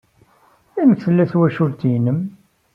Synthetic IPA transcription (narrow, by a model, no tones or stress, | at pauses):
æməkθəlːæθwæʃʊɾt̪inəm